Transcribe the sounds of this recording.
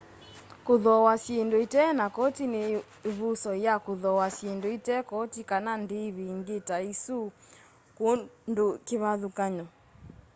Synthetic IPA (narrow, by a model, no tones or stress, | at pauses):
koðɔwasendoitɛnakɔtine | βusɔjakoðɔwasjendoitɛkɔtikanandeβiŋɡetaisu | kondokeβaðukaɲɔ